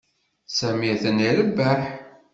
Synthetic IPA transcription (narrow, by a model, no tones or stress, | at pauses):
sæmiθəniɾəbːæħ